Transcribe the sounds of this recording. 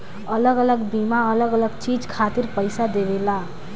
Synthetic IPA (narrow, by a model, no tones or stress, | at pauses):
ələɡələɡbimaələɡələɡt͡ʃid͡ʒkʰat̪iɾpəjsad̪ebela